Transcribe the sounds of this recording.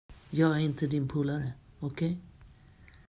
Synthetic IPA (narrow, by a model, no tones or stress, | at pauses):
jɑːɡæɾɪnt̪əd̪ɪnpʰuːlaɾəɔkʰɛj